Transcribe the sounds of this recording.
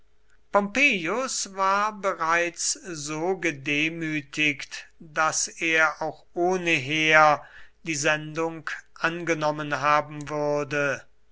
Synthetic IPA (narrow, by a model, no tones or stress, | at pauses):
pɔmpeːjʊsvaːɐbəʁaɪt͡szoːɡədeːmyːtʰɪktd̥aseːɐʔaʊxʔoːnəɦeːɐd̥iːzɛndʊŋkʔanɡənɔmənɦaːbm̩vʏɐdə